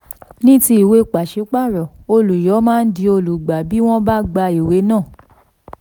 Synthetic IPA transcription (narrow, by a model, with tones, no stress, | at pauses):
nĩ˦ti˧i˨we˧˦k͡pa˨ʃe˨˦k͡pa˦˨ɾɔ˨ | o˧lu˨jɔ˨˦mãː˦n̩˦di˧o˧lu˨ɡ͡ba˨bi˨˦w̃ɔ̃˦ba˦ɡ͡ba˧i˨we˨˦nãː˦˨